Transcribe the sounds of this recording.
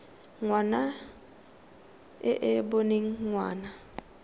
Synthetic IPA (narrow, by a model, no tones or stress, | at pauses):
ŋwana | ɪʔɪboneŋ̩ŋwa̰ːna